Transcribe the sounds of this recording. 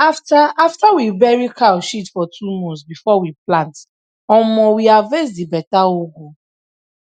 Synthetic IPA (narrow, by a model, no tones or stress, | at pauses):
aftaaftawibɛɹikaʃitfɔtʰumɔ̃sbifɔwiplãnt | ɔ̃mɔ̃wiavesdibɛtaoɡo